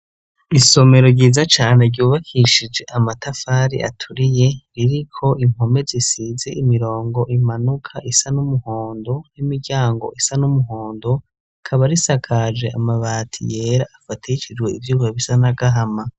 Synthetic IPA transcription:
iso̞me̞ɾo̞ɟiːzat͡ʃaːne̞ɾɟuːβakʰiʃid͡ʒe̞ʔamatʰafaːɾḭʔa̰tʰuɾije̞ɾiɾikʰo̞ʔim̥o̞me̞zisize̞ʔimiɾo̞ːŋɡo̞ʔimanukʰaʔisanumuho̞ːndo̞nimiɟaːŋɡo̞̰ʔisanumuɦo̞ːndo | kʰaβaɾisakʰad͡ʒe̞̰ʔa̰maβaːtʰḭje̞ːɾaːfatʰit͡ʃid͡ʒɡwe̞ivjuːβaβisanaɡaɦama

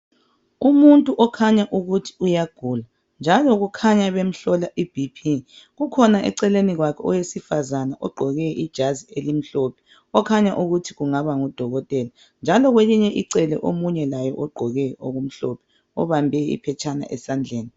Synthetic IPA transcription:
umuntʼuʔɔkʰaɲaʔuɣutʰi̥ujaɡ̥ʱula | nd͡ʒʱalɔɣukʰaɲaβem̩ɬɔlaʔib̥ʱipʰi | ɣukʰɔnaʔɛ̰ǀɛleniɣwakʰɛɔjesifazanaʔɔɡ͡ǃʱɔɣɛid̥ʒ̥ʱazielim̩ɬɔpʰɛ̥ | ɔkʰaɲaʔuɣutʰi̥ɣuŋaβaŋud̥ʱɔɣɔtʼɛla | nd͡ʒʱalɔɣweliɲɛʔiǀɛlɛʔomuɲɛlajɔʔɔɡ͡ǃʱɔɣɛʔoɣum̩ɬɔpʰɛ̥ | ɔ̰βambʱɛḭpʰɛt͡ʃʰana̰ʔɛsand͡ɮʱeːni

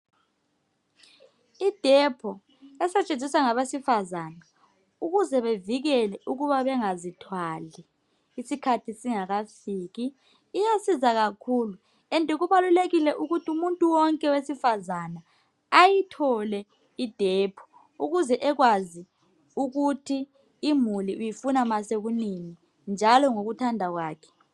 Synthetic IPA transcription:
id̥ʱɛpʰɔ | ɛsɛt͡ʃʼend͡zʱiswaŋaβesifazaːna | uɣuzɛβeviɣɛlɛʔuɣuβaβɛŋazitʰwaliː | sikʰatʰisiŋaɣafiːɣiː | jasizaɣakʰulu | ɛntʼɛɣuβaluleɣilɛʔuɣutʰiumuntʼuwɔŋkʼɛwesifazanaː | jitʰɔlɛ | id̥ʱeːpʰu̥ | uɣuzɛʔɛɣwazi | uɣutʰiː | muliʔujifunamaseɣunini | nd͡ʒʱalɔŋoɣutʰandʱaɣwaːkʰɛ̥

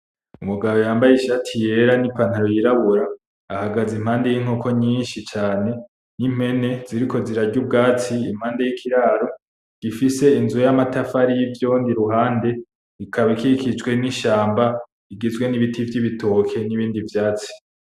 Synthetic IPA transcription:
umuɡaβojaːmbajeʃatʰije̞ɾanipan̥haɾojiɾaβuɾaː | haɡazimhaːnde̞jiːŋ̥oːkʰo̞ɲiːnʃit͡ʃaːne | nim̥he̞ne̞ziɾiko̞ziɾaɾɟub̚ɡaːt͡siim̥haːnde̞jikʰiɾaːɾo̞ | ɡ̥ifise̞inzuojamatafaɾijivjoːndiɾuɦaːnde̞ | ikʰaβikikʰid͡ʒɡwe̞niʃaːmba | iɡezwe̞niβitʰivjiβitʰo̞kʰe̞niβiːndivjaːt͡si̥

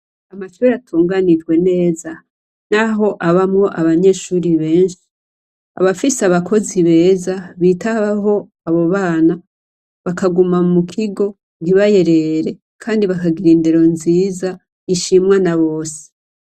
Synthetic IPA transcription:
amaʃuɾatʰuːŋɡanid͡ʒɡwe̞ne̞ːza | naɦo̞ʔaβamŋo̞ʔaβaɲe̞ːʃuːɾiβe̞ːɲʃi̥ | a̰βafiseaβakʰo̞ziβe̞ːzaβiːtaβaɦo̞ | aβo̞βaːna | βakaɡumamukʰiɡo̞ | ɡiβaje̞ɾe̞ɾe̞ | kʰaːndiβakaɡiɾiːndeɾo̞nziːza | iʃimwanaβo̞ːse̥

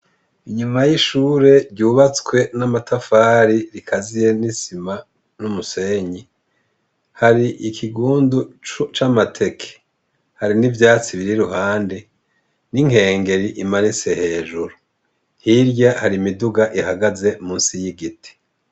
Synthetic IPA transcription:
iɲumajiʃuːɾe̞ɾɟuːβat͡swe̞namatʰafaːɾiɾikʰazije̞nisima | numuse̞ːɲi | haɾiʔikʰiɡuːndut͡ʃamatʰe̞kʰe̥ | haɾinivjaːt͡siβiɾiɾuhaːnde | niŋ̥e̞ːŋɡe̞ɾiʔimanise̞he̞ːʒuɾu | n̥hiɾɟahaɾimiduɡaʔihaɡaze̞muːnsijiɡiti̥

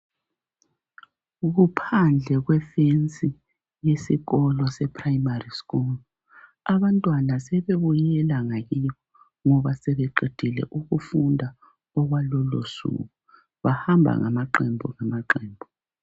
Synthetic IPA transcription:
ɣupʰand͡ɮʱɛɣwɛfent͡sʼi | jesiɣɔlɔsɛpʰʼrajimariskul | aβantʼwanasɛβeβujɛlaŋaɣiɣɔ | ŋɔβasɛβɛǃid̥ʱilɛ̰ʔuɣufundʱa | ɔɣwalɔlo̰sṵɣu | βahambʱa̰ŋa̰maǃɛmbʱɔ̰ŋamaǃɛːmbʱɔ

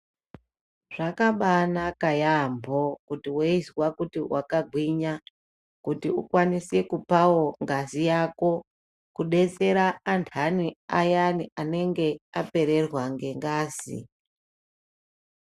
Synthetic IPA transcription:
ʐ̥akaɓanakajambʱokutiweizwakutiwʔa̰kaɡʱwiɲa | kutiṵkwanise̞kupawo̞ŋɡazijako̞ | kuɗe̞t͡se̞ɾaːntʰaniajaniʔane̞ŋɡe̞ape̞ɾe̞rwaŋɡe̞ŋɡaːzḭ

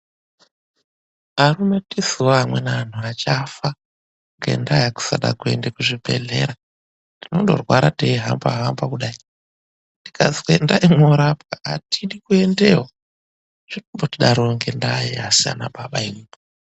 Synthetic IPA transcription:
arume̞tisiwoamwenan̤uat͡ʃafa | ŋɡḛndajaku̥saɗa̰kue̞̰ndekuʐibʱe̞̰ɮe̞̰ɾa | ndino̞ndo̞̰rwaɾateiɦamba̰ɦambakuɗai | ndikazwendaimoɾapkaa̰tʰiɗikue̞ndeɦo | ʐ̥inombotiɗaɾoŋɡe̞ndaiasia̰na̰ɓaɓaiupo

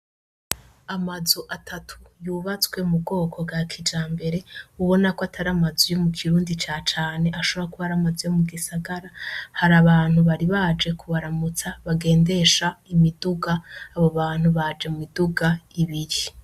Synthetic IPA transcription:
amazuʔatʰatʰu̥juːβat͡swe̞mubɡo̞ːkʰo̞bɡakʰid͡ʒaːmbe̞ɾe̞uβo̞nakoatʰaɾamazujo̞mukʰiɾuːndit͡ʃaːt͡ʃaːne̞ʔaʃo̞βoɾakuβaɾamazujomuɡisaɡaɾahaɾaβaːn̥huβaɾiβad͡ʒe̞kʰuβaɾamut͡saβaɡe̞ːnde̞ʃaimiduɡaːβoβaːn̥huβad͡ʒe̞mumiduɡaiβiɾi

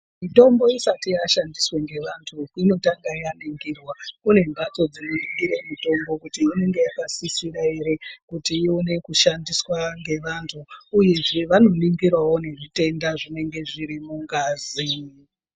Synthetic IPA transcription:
mito̞mbo̞isatijaʃandisweŋɡe̞ʋantʰukino̞taŋɡajaniŋɡirwakune̞ŋɡʱwat͡so̞d͡zinoniŋɡiɾe̞mito̞mbo̞kutiːne̞ŋɡe̞jakasisiɾae̞ɾe̞kutiione̞kuʃandiswaŋɡe̞ʋantʰuːje̞ʐe̞ʋano̞niŋɡirwawo̞ne̞ʐite̞ndaʐine̞ŋɡe̞ʐiɾimuŋɡaːzi

